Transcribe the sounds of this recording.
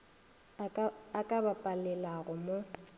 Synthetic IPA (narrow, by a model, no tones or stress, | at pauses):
akʼabapʼalɛlaɣʊmo